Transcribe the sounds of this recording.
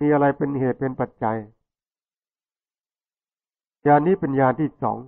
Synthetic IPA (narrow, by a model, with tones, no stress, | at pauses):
iː˧ʔa˧ɾa˧jpe˧nheː˨˩t̪̚pe˧npa˨˩t̪̚t͡ɕa˧j | jaː˧nːiː˥˩pe˧njaː˧nt̪ʰiː˥˩sɔ̰ː˩˦ŋ